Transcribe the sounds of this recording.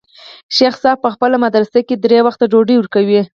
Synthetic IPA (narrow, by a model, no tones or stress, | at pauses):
ʃexsɑb̚pəxpəlamad̪ɾasaked̪ɾewaxt̪aɖoɖiwəɾkawi